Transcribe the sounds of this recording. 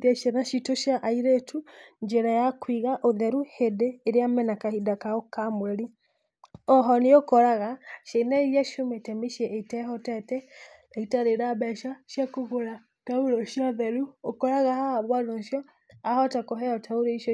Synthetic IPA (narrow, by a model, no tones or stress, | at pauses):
ɾaʃɛnaʃitoʃjaʔaiɾetʰuɲd͡ʒɛɾajakwiɣaʔoðɛɾuhedeːɾeamɛnakahidakaokamwɛɾi | ɔɦɔneokɔɾaɣaʃenaiɾiaʃometɛmiʃiɛʔetɛɦɔtɛtɛ | aitaɾeɾabɛʃaʃjakoɣoɾa | tauɾoʃjɔðɛɾuokɔɾaɣahaaβwanonʃjɔ | ahɔtakɔɦɛɔtʰaoɾoiʃ